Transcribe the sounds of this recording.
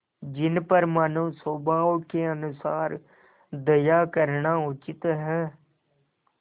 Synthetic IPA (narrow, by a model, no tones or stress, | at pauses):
d͡ʒɪnpəɾmənũːsoːbaːokeːənʊsaːɾ | d̪əjaːkəɾɳaːʊt͡ʃɪt̪ɦɛː